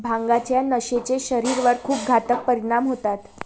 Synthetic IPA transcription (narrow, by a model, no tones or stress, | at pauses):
bʱãŋɡat͡ɕjanəɕet͡seɕəɾiɾʋəɾkʰuːp̚ɡʱat̪ək̚pəɾiɽ̃amɦot̪at̪